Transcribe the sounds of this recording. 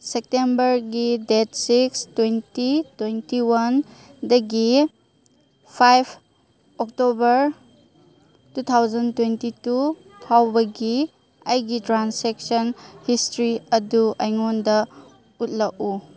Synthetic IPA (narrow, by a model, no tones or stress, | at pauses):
sek̚tembɐɾɡidet̚sikstwentitwentiwɐndɐɡi | pʰajpʰ | ɔk̚tobɐɾ | tut̪ʰawzɐntwentitu | tʰawbɐɡi | ɐjɡitɾansek̚sɔnhistɾiɐduʔɐjŋondɐ | ut̚laku